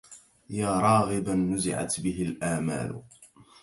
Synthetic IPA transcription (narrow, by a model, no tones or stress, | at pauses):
jaːɾˤɑːɣɪbanːʊzɪ̰ʕa̰t̪bɪɦɪlʔaːma̰ːlʊ̰